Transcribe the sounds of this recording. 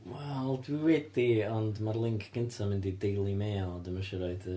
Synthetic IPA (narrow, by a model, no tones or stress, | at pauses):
wɛlˠdwiwɛdiɔndmarlˠɪŋkʰɡ̥əntʰamɪndidejlˠimeːlˠdəməʃɛɾajdə